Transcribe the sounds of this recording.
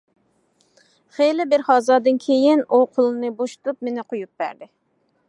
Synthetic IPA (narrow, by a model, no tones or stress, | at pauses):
χelɪbɪɾhɑːzɑːd̪ɨnkʲʰejɪnuqʰolˠɨnɨboʃu̥t̪up̚menɪqʰojup̚bæ̰ɾd̪ɪ